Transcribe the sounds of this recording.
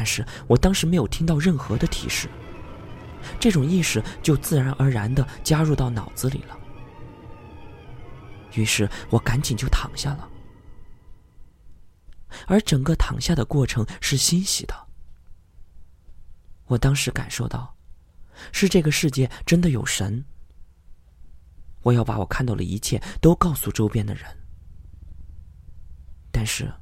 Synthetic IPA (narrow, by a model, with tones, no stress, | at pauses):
nʂɻ̩˥˩ | wɔ˨˩t̪ɑ˥ŋʂɻ̩˧˥me˧˥ɪjo˨˩ʊt̪ʰi˥ŋt̪ɑ˥˧ʊɻə˥˩nxɤ˧˥d̪ə˧t̪ʰḭ˨˩ʂɻ̩˥˩ | ʈ͡ʂɤ˥˩ʈ͡ʂʊ˨˩ŋi˥˩ʂɻ̩˥˩t͡ɕjo˥˧ʊt͡sɹ̩˥˩ɻa˧˥nʔə˞˧˥ɻa˧˥nd̪ə˧t͡ɕja˥ɻu˥˧t̪ɑ˥˩ʊnɑ˨˩ʊd͡zɹ̩˥˧lḭ˨˩lə˦ | y˧˥ʂɻ̩˥˩wɔ˨˧˥ka˧˥nt͡ɕi˨˩ŋt͡ɕjo˥˩ʊt̪ʰɑ̰˨˩ŋɕja˥˩lə̰˩ | ə˞˧˥ʈ͡ʂɤ˨˩ŋkə˥˧t̪ʰɑ̰˨˩ŋɕja˥˩d̪ə˩kwɔ˥˩ʈ͡ʂʰɤ˧˥ŋʂɻ̩˥˩ɕi˥nɕḭ˨˩d̪ə˦ | wɔ˨˩t̪ɑ˥ŋʂɻ̩˧˥ka̰˨˩nʂo˥˧ʊt̪ɑ˥˩ʊ | ʂɻ̩˥˧ʈ͡ʂɤ˥˩ɡə˩ʂɻ̩˥˧t͡ɕjɛ˥˩ʈ͡ʂə˥nd̪ə˨jo˨˩ʊʂə˧˥n | wɔ˨˩jɑ˥˩ʊpa̰˧˥wɔ˨˩kʰa˥˧nt̪ɑ˥˩ʊlə̰˩i˧˥t͡ɕʰjɛ˥˩t̪o˥ʊkɑ˥˧ʊsu˥˧ʈ͡ʂo˥ʊpjɛ˥nd̪ə̰˨ɻə̰˧˥n | t̪a˥˧nʂɻ̩˥˩